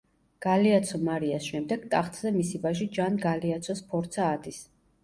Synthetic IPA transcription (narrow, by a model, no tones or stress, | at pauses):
ɡ̥aliat̪sʰɔmaɾiasʃɛmd̪ɛɡ̥t̪ʼaχt̪ʰʼzɛmisivaʒid͡ʒanɡaliat̪sʰɔspʰɔɾt̪sʰaːd̪is